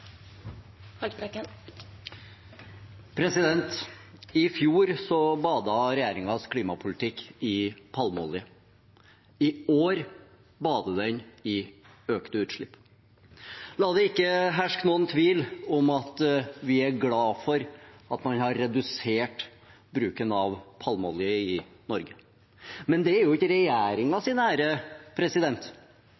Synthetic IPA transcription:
hɑɾɛkə | pʰɾɛsɪd̪ɛnt̪ɪfjuːɾsɔbɑːd̪ɑɾɛjeːɾɪŋɑskʰliːmɑpʰʊlɪt̪ʰɪkːɪpʰɑlmɔ̰lɪə | ɪoːɾ | bɑːd̪əd̪ɛnɪ | øːkt̪əʉːt̪ʂɭɪpː | lɑːd̪ɛɪkːəɦæʂknuːənt̪ʰʋiːlɔmɑt̪ʋɪæɾɡlɑːfɔɾɑt̪mɑnhɑɾːɛd̪ʉseːʈ | bɾʉːkənɑʋpʰɑlmɔlɪəɪ | nɔɾɡə | mɛnd̪ɛæɾjʊɪçəɾɛjæːɾɪŋɑsɪnæːɾəpʰɾɛsɪd̪ɛnt̪

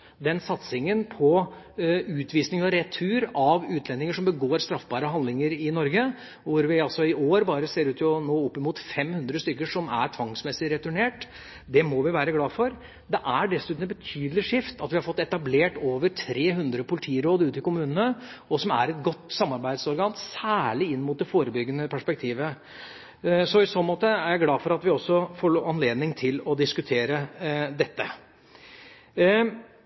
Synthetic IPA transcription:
d̪ɛnsɑt̪sɪŋənpʰɔ | ʉːt̪ʋiːsnɪŋɔɾɛt̪ʰːʉːɾɑʋʉːt̪ʰlɛnːɪŋəʂɔmbəɡoːɾst̪ɾɑfbɑːɾəɦɑnd̪lɪŋəɾɪnɔɾɡə | ʋʊɾʋɪɑlsɔɪʔoːɾbɑːɾəseːɾʉːt̪ʰnoːɔpːɪmuːt̪fɛmhʉnd̪ɾəst̪ʏkːəʂɔmæ̰ɾʈʰʋɑŋsmɛsɪɾɛt̪ʉɳeːʈ | d̪ɛmɔʋɪʋæːɾəɡlɑːfɔɾ | d̪ɛʔæɖɛsʉːt̪nəbət̪ʰyːd̪l̩ɪʂɪft̪ɑt̪ʋɪhɑɾfɔt̪ːɛt̪ɑbleːʈoːʋəɾʈʰɾeːɦʉnd̪ɾəpʊlɪt̪ʰiːɾoːd̪ʉːt̪ɪkʊmʉːnənə | ɔsɔmæ̰ɾɛt̪̚ɡɔt̪ːsɑmːɑɾbæɪd̪sɔɾɡɑːnsæːɭɪɪnːmʊt̪̚d̪ɛfoːɾəbʏɡːənəpʰæʂpɛkt̪ʰiːʋə | sɔɪsoːnmoːt̪əæɾjæɪɡlɑːfɔɾɑt̪ʋɪɔsːɔfoːɭoːɑnleːd̪nɪŋt̪ʰɪlɔd̪ɪskʉt̪ʰeːɾəd̪ɛt̪ːə

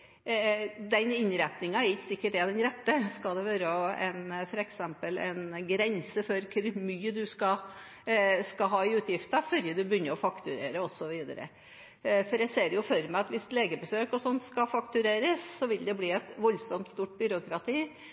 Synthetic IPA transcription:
d̪ɛnɪnɾɛt̪nɪŋɑɛɾɪksɪkːəʈ̪ɛd̪ɛnɾɛt̪ːəskɑd̪ɛʋøːɾəɔɛnfɔɾɛksɛmpəlɛ̰nɡɾɛnsəfɔɾkʰʉɾmyːəd̪ʉskɑ | skɑɦɑːɪʉːt̪ʰjɪft̪əfœɾjəd̪ʉbəjʏnːəɔfɑkt̪ʉɾeːɾəɔsːɔʋiːd̪ɑ̰ɾə̰ | fɔɾæɪseːɾjʊfɔɾmæɑt̪ʋɪst̪leːɡəbəsøːkɔsɔnːskɑfɑkt̪ʉɾeːɾəssɔʋɪld̪ɛbliːɛt̪ʋɔlsɔmt̪st̪uːʈ̚bʏɾʊkɾɑt̪ʰiː

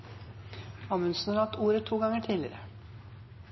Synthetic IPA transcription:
ɑmʉnsnəɾɑt̪ʰuːɾət̪ʰːuːɡɑŋəʈʰiːlɪ̰ɾə

